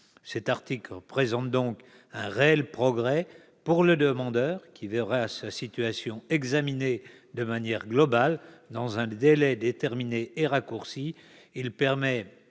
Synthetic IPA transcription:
sɛt̪aʁt̪ikləpχezɑ̃t̪̚d̪ɔ̃k | ɛ̃ʁeɛlpχɔɡʁɛ | puʁləd̪əmɑ̃d̪œːʁkʲʰivɛʁasasit̪yasjɔ̃ɛɡzamine | d̪əmanjɛʁɡlɔbald̪ɑ̃zɛ̃d̪elɛd̪et̪ɛʁmineːʁakuʁsiː | lpɛʁmɛ

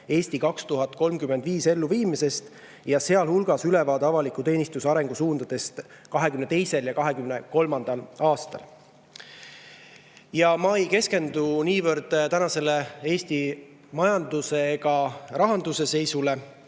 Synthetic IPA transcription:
e̞ːsʲt̪ikɑkst̪uɦɑt̪̚ːˑko̞lmkyme̞nd̪viːse̞lːuviːmise̞st̪ | jɑse̞ɑlhulɡ̥ɑsylevɑːd̪ɑvɑlikːˑut̪e̞ːnist̪usɑɾe̞ŋɡ̥usuːnd̪ɑd̪̥e̞st̪ | kɑɦe̞kymne̞t̪e̞jse̞ljɑkɑɦe̞kymneko̞lmɑnd̪̥ɑlɑːst̪ɑ̰l | jɑmɑejke̞ske̞nd̪uniːvɤrd̪̥t̪ænɑse̞le̞e̞ːsʲt̪i | mɑjɑnd̪use̞ɡɑrɑɦɑnd̪̥use̞se̞jsule̞

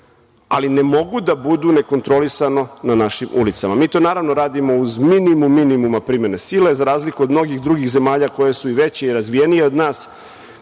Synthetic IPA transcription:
a̰line̞mo̞ɡud̪abud̪une̞ko̞nt̪ɾo̞lisano̞nanaʃimṵlit̪samamiːt̪o̞ːnaːɾaʋno̞ɾaːd̪imo̞uzminimumːinimumapɾimenesilezaɾaːzlikuod̪mno̞ɡixd̪ɾuɡixze̞maːʎako̞je̞suiʋe̞t͡ɕeiɾazʋije̞nije̞o̞d̪naːs

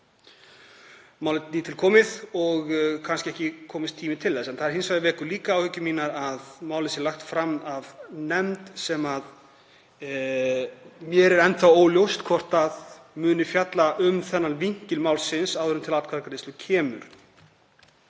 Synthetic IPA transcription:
maːwlɪt̪niːt̪ʰɪlkʰɔːmɪðɔɣkʰanscɪɛhcɪkʰɔːmɪst̪ʰːiːmɪt̪ʰɪlðɛsɛnθaðɾhɪnsvajðɪvɛːkʏliːkaaːwhʏcʏmiːnaɾaðmaːwlɪsjɛɾlaxt̪fɾamavnɛmt̪sɛmað | mjɛɾɛɾɛnt̪θawoːwljowst̪kʰvɔr̥t̪að | mʏːnɪfjat̪laʔʏmθɛnːanviŋ̥cɪlmaːwlsɪnsawðʏɾʏmt̪ʰɪlat̪kʰvaɾkaɾɪst̪ʏcʰɛːmʏ̰ɾ̥

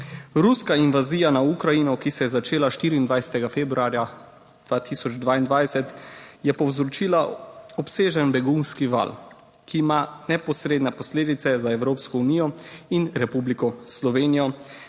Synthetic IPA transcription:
ɾuskainʋaziːjanaukɾajinɔkisɛjɛzat͡ʃeːlaʃt̪iɾiːnd̪ʋajsɛ̥t̪ɛɡafeːbɾuaːɾja | d̪̥ʋaːt̪ʰisɔd͡ʒd̪ʋaːind̪ʋajsɛt̪jɛpɔwzɾɔt͡ʃiːlaɔpseːʒənbɛɡunskiʋa̰l | kiːmanɛpɔsɾed̪nɛpɔsleːd̪it̪sɛzaɛwɾoːpskɔuniːjɔinɾɛpublikɔslɔʋeːnijɔ

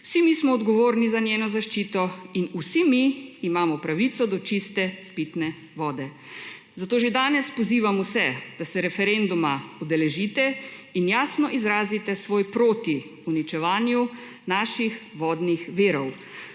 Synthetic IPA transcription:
wsimismɔːd̪ɡɔʋoːɾnizanjeːnɔzaʃt͡ʃiːt̪ɔinusimiːmaːmɔpɾaʋit̪sɔd̪ɔt͡ʃist̪ɛpit̪nɛ | ʋɔːd̪ɛ | zat̪oːʒed̪aːnɛspɔziːʋamusɛd̪̥asɛɾɛfɛɾend̪umaɔd̪ɛlɛʒit̪ɛinjaːsnɔʔizɾaːzit̪ɛsʋoːjpɾoːt̪i | unit͡ʃɛʋaːnju | naːʃixʋɔːd̪nixʋiːɾɔw

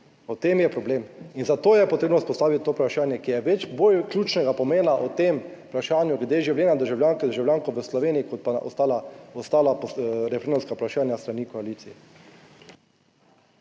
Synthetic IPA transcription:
ɔt̪emjɛpɾɔbleːminzat̪oːjɛpɔt̪ɾeːbnɔuspɔst̪aːʋit̪̚ʲt̪ːoːpɾaʃaːnjɛkijɛʋɛt͡ʃbolklʲuːt͡ʃnɛɡapɔmeːnaʔɔt̪empɾaʃaːnjuɡlɛd̪eʒiwleːnad̪əɾʒawljaːŋkd̪əɾʒawljaːŋkɔʋəslɔʋeːniikɔt̪̚paʔɔ̰st̪alaɔst̪aːlapɾɛfɛɾend̪umskaupɾaʃaːnjast̪ɾanikɔaliːt̪siɛ

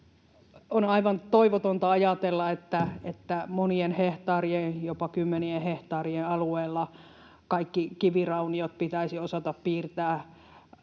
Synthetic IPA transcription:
onɑiʋɑnt̪oiʋot̪ont̪ɑɑjɑt̪elːɑet̪ːæet̪ːæmonienheht̪ɑːrienjopɑkymːenieheht̪ɑːrienɑlueːlːɑ | kɑikːikiʋirɑuniot̪̚pit̪æisiosɑt̪ɑppiːrt̪æː

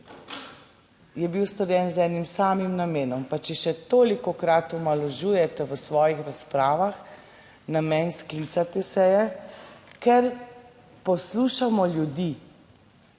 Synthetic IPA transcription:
jɛbiwst̪ɔɾjɛnzɛːnimsaːmimnameːnɔmpat͡ʃɛʃɛt̪oːlikɔkɾat̪ɔmalɔʒuːjɛt̪ɛʋəsʋɔːjixɾaspɾaːʋax | namɛnsklit̪sat̪ɛsɛjɛ | kɛɾ | pɔsluʃamɔljud̪i

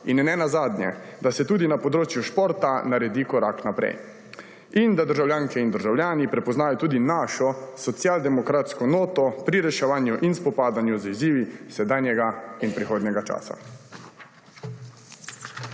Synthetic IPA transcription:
innɛnazaːd̪nʲjɛ̰d̪asɛt̪uːd̪inapɔd̪ɾoːt͡ʃjuʃpoːɾt̪anaɾɛd̪ikɔɾa̰ːknapɾɛ̰j | ind̪ad̪əɾʒawljaːŋkɛind̪əɾʒawljaːnipɾɛpɔznaːjɔt̪uːd̪inaːʃɔsɔt̪sjaːld̪ɛmɔkɾat̪skɔnoːt̪ɔpɾiɾɛʃɛʋaːnjuʔinspɔpaːd̪anjuziziːʋisɛd̪aːnjɛɡainpɾixoːd̪nʲɛɡat͡ʃa̰ːsa̰

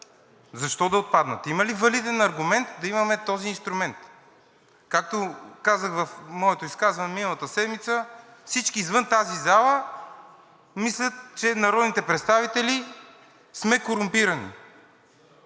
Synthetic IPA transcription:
zɐʃt̪ɔd̪ɐot̪̚pad̪nə̰t̪imɐlivɐlid̪ɛnɐɾɡumɛnt̪d̪ɐimɐmɛt̪ɔziːnst̪ɾʊmɛnt̪ | kak̚t̪okazəxvɐfmɔɛt̪oiskazvɐnɛminəlˠɐt̪əsɛd̪mit̪səfsit͡ʃkiːzvɤnt̪azizalˠə | mislʲət̪̚t͡ʃɛnɐɾɔd̪nit̪ɛpɾɛt̪st̪avit̪ɛli | smɛkoɾʊmpiɾɐnḭ

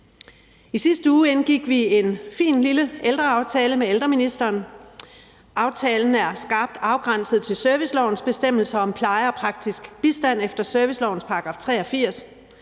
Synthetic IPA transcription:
isisd̥əuːenɡ̥iɡ̥ʋie̝nfḭːnliləeld̥ʁɐɑ̈ʊt͡sʰɛːləmeeld̥ʁɐminisd̥ɐːn | ʔɑ̈ʊt͡sʰɛːln̩æɐsɡ̥ɑ̈ːb̥̚d̥ɑ̈ʊɡ̥ʁɑn̰səð̩ˠt͡sʰe̝lsœɐʋislɒʊ̰n̩sb̥e̝sd̥em̰l̩sɐɒ̽mpʰlɑ̈ɪəɒ̽pʰʁɑ̈ɡ̥̚d̥isɡ̥b̥isd̥æn̰efd̥ɐsøɐʋislɒʊn̩spʰɑ̈ɑɡ̥ʁɑ̈ːft͡sʰʁɛ̰ːɒ̽fiɐ̰s

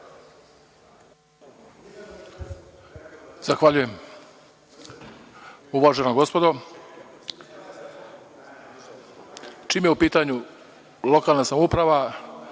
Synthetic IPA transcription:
z̥axʋaʎuje̞m | uʋaʒenoɡo̞spo̞d̪o | t͡ʃiːmjeupiːt̪aɲu | lˠo̞kaːlˠnasamupɾaʋa

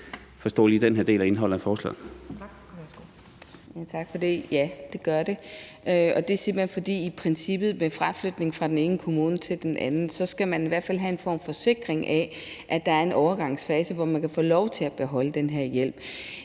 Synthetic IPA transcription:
fɒ̽sd̥ɔ̰ːlid̥enɦeɐde̝̰ːlæe̝nɦɒ̽l̰̩ˠæfɒːslɛ̰ | jæt͡sʰɑ̈ɡ̥fɒ̽d̥e̝jæd̥e̝ɡ̥ɶɐde̝ʔøɒ̽d̥e̝se̝m̥lenfɒ̽d̥ḭːipʰʁɛnsib̥ð̩ˠmefʁaflød̥ne̝ŋfʁɑ̈d̥en̩e̝ːnəkʰo̝muːnət͡sʰe̝ld̥enʔænn̩sɒ̽sɡ̥æmæniʋæɐ̰d̥fælɦæe̝nfɒ̰ːmfɒ̽se̝ɡ̥ʁeŋʔæʔæd̥ɑ̈æɐe̝nʔɒʊɐɡ̥ɑ̈ŋ̰sfɛːsəʋɒmænkʰæfɔ̰ːlɒʊt͡sʰe̝læb̥e̝ɦɒ̽ləd̥enɦeɐ̰jel̰b̥

